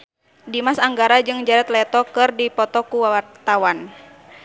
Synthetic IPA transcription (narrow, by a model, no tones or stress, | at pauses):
dimasaŋɡaɾad͡ʒɨŋd͡ʒaɾɛt̪lɛt̪ɔkɨrdipɔt̪ɔkuwawart̪awan